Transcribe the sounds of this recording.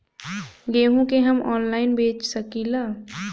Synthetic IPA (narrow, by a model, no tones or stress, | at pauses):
ɡeːɦũkeɦəmʔɔːnlaːɪnbeːt͡ʃsəkilaː